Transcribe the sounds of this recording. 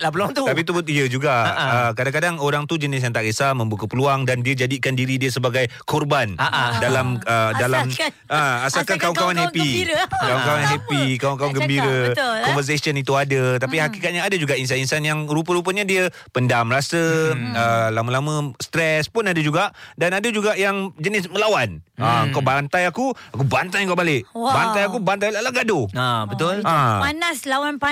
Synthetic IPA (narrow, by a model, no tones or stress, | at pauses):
pəlaŋt̪ut̪apit̪ubut̪̚iəd͡ʒuɡaʔəkadaŋkadaŋoɾaŋt̪ud͡ʒənɪs̬jaŋt̪aʔɾəsamə̃mbukəpəluaŋdandiəd͡ʒadikandiɾidiəsəbaɡajkɔrbanadalamədalamm | əasalkankauŋkawanhɛpiɾkaukawanɦɛpikawankawanɡəmbiɾəkɔnvərs̬esiənit̪uadət̪apihakikat̪̚ɲaːdəd͡ʒuɡaʔins̬aninsanjaŋɾup̬əɾupəɲadiə | pəndamɾasəəlaməlamə̃st̪ɾɛspʊnadəd͡ʒuɡaʔdanadəd͡ʒuɡaʔjaŋd͡ʒənɪsməlawanəəŋkawbant̪ajakuakubant̪ajŋkawbalɪʔbant̪ajakubant̪̬ajlalaɡadobət̪ʊllamanaslawanpa